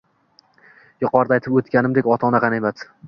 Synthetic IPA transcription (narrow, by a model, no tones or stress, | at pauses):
jʊqɒɾd̪ajt̪ʰɪpot̪kʲanɪmd̪ekʲɒt̪ʰɒnaqɑnemat̪